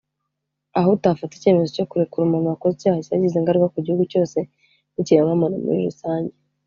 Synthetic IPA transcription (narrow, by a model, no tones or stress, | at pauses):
ahotafate̥ce̞me̞zo̞co̞kuɾekuɾumamakozicaːhaciaɟizeŋɡaɾiɡakuɟihuɡuco̞ːse̞ | niciɾemɡamano̰mṵɾiɾusaːɲɟe